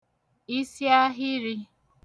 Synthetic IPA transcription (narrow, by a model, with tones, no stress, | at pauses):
i˦sja˦ɦɪ˦ɾi˦